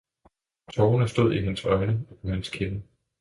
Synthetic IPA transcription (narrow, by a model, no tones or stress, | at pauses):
t͡sʰɒʊnəsd̥o̝ð̞̰ˠiɦenəsɒ̽ɪnə̥hænskʰenə